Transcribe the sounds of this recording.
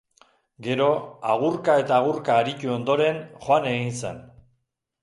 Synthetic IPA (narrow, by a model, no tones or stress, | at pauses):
ɡe̞ɾo̞aɣurkae̞t̪aːɣuɾkaːɾic̪uo̞nd̪o̞ɾe̞nxoane̞ɣinsa̰n